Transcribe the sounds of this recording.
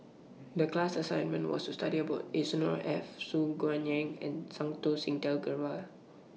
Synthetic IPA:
dəklasasãjnmə̃nwɔ̰stustadiəbaʊtesnɔɹɛfsuɡoãnɛ̃ŋɛ̃nsãŋt̪osĩŋtɛlɡəɹal

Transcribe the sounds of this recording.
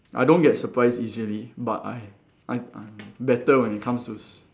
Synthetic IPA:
ʔa̰jdõnɡɛtsəpɹaɪsiziəlibata̰j | ʔaɪabɛtəwɛ̃nit̚kʰãmstus

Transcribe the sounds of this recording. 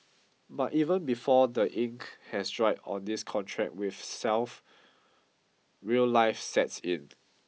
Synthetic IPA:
bativə̃nbifɔdəʔĩŋkhɛsdɹaɪɔ̰̃ndiskʰɔ̃ntʰɹɛ̰k̚wiθsɛlf | ɹiəllaɪfsɛtsĩn

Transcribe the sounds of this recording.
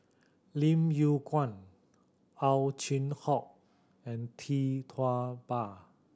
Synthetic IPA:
limjukwãn | ʔawt͡ɕʰinhɔk̚ | ʔɛ̃nt̪ʰit̪ʰwab̥a

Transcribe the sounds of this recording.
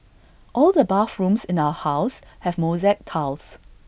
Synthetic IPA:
ʔɔldəbafɹũmsɪ̃naʊəhaʊshɛvmozɛk̚tʰals

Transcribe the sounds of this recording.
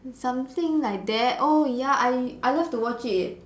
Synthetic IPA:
sãmt̪ɪ̃ŋlajk̚d̪ɛt̚ʔojaʔajʔajlaftuwɔt͡ʃɪɪt̚

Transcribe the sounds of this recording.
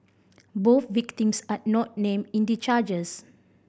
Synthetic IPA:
boθvik̚tĩmsatnɔt̚nẽmĩndit͡ʃad͡ʒəs

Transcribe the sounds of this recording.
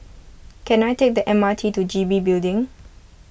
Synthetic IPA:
kʰɛ̃najtʰek̚d̪əʔɛ̃maɪtʰitud͡ʒibibildɪ̃ŋ

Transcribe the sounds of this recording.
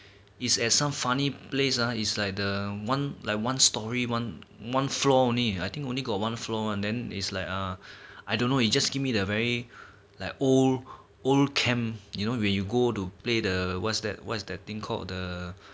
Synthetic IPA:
itsɛt̚sãmfaniplesaitslaɪk̚dəwãnlaɪk̚wãnstɔɹiwãnwãnflɔõnliajt̪ɪ̃ŋkõnliɡɔt̚wãnflɔãndɛ̃nḭtslaɪkaajdõnːoit̚d͡ʒasɡivmidəvɛɹi | laɪkol | olkʰɛ̃mjunowɛ̃njuɡotupledəwɔ̰tsdɛ̰t̚wɔ̰tsdɛt̚t̪ĩŋkʰɔ̰ldə

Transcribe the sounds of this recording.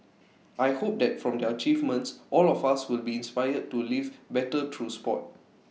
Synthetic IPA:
ajhop̚dɛt̚fɹɔ̃mdɛət͡ʃivmə̃ntsʔɔlɔfaswɪlbiĩnspajəd̚tːulivbɛtətʰɹuspɔ̰t̚

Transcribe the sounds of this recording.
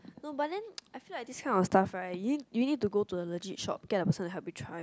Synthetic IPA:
nobatdɛ̃najfilaɪdiskʰãɪnɔ̃nstafajuidjunid̚tuɡotudələd͡ʒitʃɔ̰p̚kɛdəpəsə̃ndaɦɛp̚bitʰɹaj

